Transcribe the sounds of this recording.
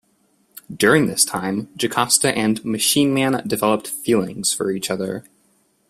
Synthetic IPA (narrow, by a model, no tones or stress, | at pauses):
d̥ʊɹɪ̃ŋðɪstʰãɪ̃md͡ʒɨkʰɑstɨʔɨ̃nmɨʃĩnmæ̃ndɨvɛlˠəp̚tfilˠɪ̰̃ŋz̥fə̰˞it͡ʃʌðə̰˞